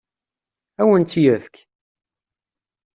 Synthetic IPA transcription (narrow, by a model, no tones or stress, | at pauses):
æwənt͡s̪ːjəðk